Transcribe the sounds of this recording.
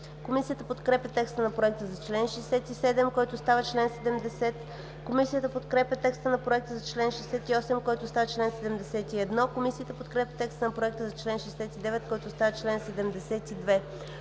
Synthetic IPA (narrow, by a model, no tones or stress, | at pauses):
komisijət̪əpot̪kɾɛpʲɐt̪ɛkst̪ənɐpɾoɛk̚t̪əzɐt͡ʃlɛnʃɛjsɛt̪isɛd̪ɛmkɔjt̪ʊst̪avət͡ʃlɛnsɛd̪ɛmd̪ɛsɛt̪ | komisijət̪əpot̪kɾɛpʲət̪ɛkst̪ənɐpɾoɛk̚t̪əzɐt͡ʃlɛnʃɛjsɛt̪iɔsɛmkɔjt̪ʊst̪avət͡ʃlɛnsɛd̪ɛmd̪ɛsɛt̪iɛd̪nɔkomisiət̪əpot̪kɾɛpʲɐt̪ɛkst̪ənɐpɾoɛkt̪əzɐt͡ʃlɛnʃɛjsɛt̪id̪ɛvɛt̪kɔjt̪ʊst̪avɐt͡ʃlɛnsɛd̪ɛmd̪ɛsɛt̪id̪vɛ